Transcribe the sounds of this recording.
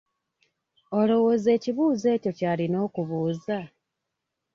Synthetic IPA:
o̞lo̞wo̞ze̞ːciβuːze̞ːco̞caːlino̞ːkuβuːza

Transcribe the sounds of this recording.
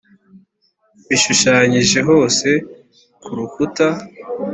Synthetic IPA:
βiʃuʃaːɲiʒe̞ɦo̞ːse̞ | kuɾukuta

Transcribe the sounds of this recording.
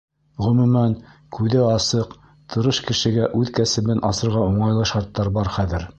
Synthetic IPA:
ʁɵ̆mʉ̆mænkʉðɘɑsɤq | t̪ʰɤ̆ɾɤʃkɘ̆ʃɘ̆ɡæʔʉðkæsɘ̆bɘnʔɑsɤ̆ɾʁɑuɴɑjlˠɤʃɑɾt̪ːɑɾbɑɾχæðɘɾ

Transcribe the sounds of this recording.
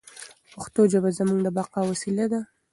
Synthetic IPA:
paxt̪od͡ʒabazamuŋɡd̪əbɑqɑwasilad̪a

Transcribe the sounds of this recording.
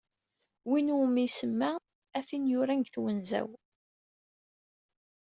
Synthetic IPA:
winumisəmːæ | æθinjʊɾæŋɡθwənzæ̰w

